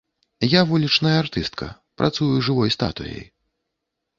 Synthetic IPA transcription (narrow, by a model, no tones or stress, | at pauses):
javulʲit͡ʂnɐjɐrt̪ɨst̪kʰɐ̰ | pɾʔa̰t̪sujuʐɨvɔjst̪a̰t̪ṵjḛj